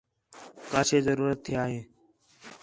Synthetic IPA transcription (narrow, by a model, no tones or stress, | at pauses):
kaːt͡ʃʰeːzəɾuːɾət̪ʰːɪjaːɦeː